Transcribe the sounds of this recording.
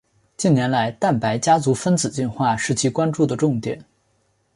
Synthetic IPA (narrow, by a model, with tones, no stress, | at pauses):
t͡ɕi˥˩nnjɛ˧˥nla˧˥ɪt̪a˥˩npa˧˥ɪt͡ɕja˥t͡su˧˥fə˥nt͡sɹ̩˨˩t͡ɕi˥˧nxwa˥˩ʂɻ̩˥˩t͡ɕʰi˧˥˩kwa˥nʈ͡ʂu˥˩d̪ə˩ʈ͡ʂʊ˥˧ŋt̪jɛ̰˨˩˦n